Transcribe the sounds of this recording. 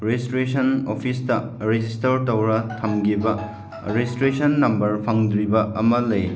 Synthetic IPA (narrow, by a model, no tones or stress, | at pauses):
ɾestɾesʰɐnopʰistɐ | ɾed͡ʒistɐɾtɐwɾɐtʰɐmɡibɐ | ɾestɾesɐnːɐmbɐɾpʰɐŋd̪ɾibɐɐmɐlɐj